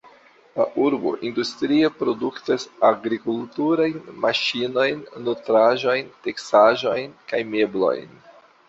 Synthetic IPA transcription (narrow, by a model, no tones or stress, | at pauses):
la̰ʔuɾbo̞̰ʔindustɾiepɾo̞duktasaɡɾikultuɾajnmaʃino̞jnːotɾaʒo̞jnte̞ksaʒo̞jnkajme̞blo̞̰jn